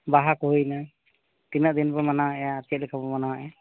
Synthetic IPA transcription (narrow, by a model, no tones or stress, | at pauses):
baɦakɔɦujna | t̪inaʔd̪inbɔmanaaʔaːt͡ʃɛt̪̚lɛkʰabɔmanaaʔɛ